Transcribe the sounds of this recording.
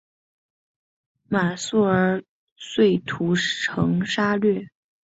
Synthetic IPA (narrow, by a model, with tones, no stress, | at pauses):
ma˨˩su˥˩ə˞˧˥ | swe˥˩ɪt̪ʰu˧˥ɤ˧˥ŋʂa˥lɥɛ˥˩